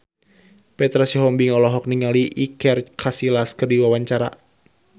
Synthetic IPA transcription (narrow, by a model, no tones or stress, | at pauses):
pɛt̪ɾasiɦɔmbiŋɔlɔɦɔk̚niŋaliʔikɛrkʰasilaskərdiwawaɲt͡ʃaɾa̰